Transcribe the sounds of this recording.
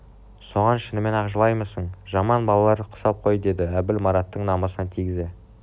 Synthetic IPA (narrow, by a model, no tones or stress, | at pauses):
so̞ʁɑnʃɪnɪme̞nɑʁʒəlˠɑjməsəɴʒɑmɑnbɑlˠɑlˠɑɾəqʰʊ̥sɑp̚qʰo̞jəd̪e̞d̪ɪæbɪlmɑɾɑt̪ːəɴnɑmɑsənɑt̪ʰijɡʲɪze̞